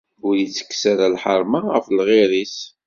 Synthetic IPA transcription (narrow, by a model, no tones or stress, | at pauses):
ʊɾjit͡sːə̥kːsaɾalħəɾˤmaʁəflʁɪɾis